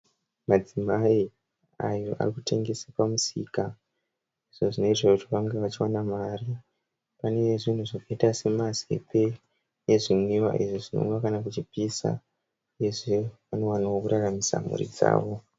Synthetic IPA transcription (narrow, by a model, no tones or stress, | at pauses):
mad͡zimai | ajo̞ʔa̰rikute̞ŋɡe̞sapamusḭːka | iʐ̥oʐino̞itakutiʋaŋɡeʋat͡ʃiwanamaːri | pane̞eʐin̤uʐakaitase̞mazḛpʰe̞ | jeʐimwiwa̰ʔiʐiʐino̰ŋɡwakanak̬ut͡ʃipisa̰ | eʐeʋano̞wanaokuraramisa̰mṵrḭd͡za̰ːʋo̞